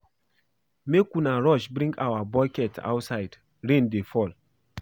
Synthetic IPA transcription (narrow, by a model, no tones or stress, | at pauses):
mekunaɹɔʃbɾĩŋɡa̰wabɔjkɛtʰa̰wtsaɪd | ɹẽndefɔl